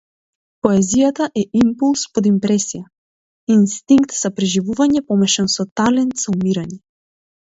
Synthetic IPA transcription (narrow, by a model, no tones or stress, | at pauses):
pɔɛzijat̪aʔɛʔimpulˠspɔd̪impɾɛsija | inst̪iŋkt̪z̥apɾɛʒivuvaɲɛpɔmɛʃɛnsɔt̪alɛnt̪z̥aumiɾaɲɛ